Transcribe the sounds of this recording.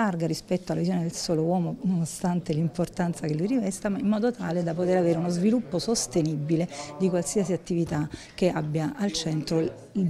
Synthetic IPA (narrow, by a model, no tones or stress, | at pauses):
arɡaɾispɛt̪ːoalːavizjoned̪elsoːlowɔːmononost̪ant̪elimport̪ant̪sakelːujrɾivɛst̪amaimːɔːd̪ot̪aːled̪apot̪eɾaveːɾeunozvilupːosost̪enibːiled̪ikwalsiasiat̪ːivit̪a | k̟eabːjaʔalt͡ʃɛnt̪ɾo